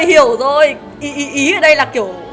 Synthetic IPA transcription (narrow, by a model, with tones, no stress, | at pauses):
jhi˧˩əwzo˨˩j | ʔi˨˦ʔi˨˦ʔi˨˦ʔəː˧˩ɗə˧jlaː˨˩ki˧˩əw